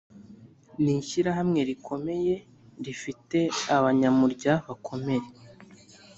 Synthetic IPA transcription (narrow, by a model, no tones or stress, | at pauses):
niʃiɾaɦamŋe̞ɾikʰo̞me̞je̞ | ɾifite̞aβaɲamuɾɟaβakʰo̞me̞ɾe